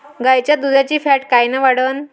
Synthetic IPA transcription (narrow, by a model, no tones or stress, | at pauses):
ɡajt͡ɕjad̪ud̪jat͡ɕiːfæʈkajnəʋaɽən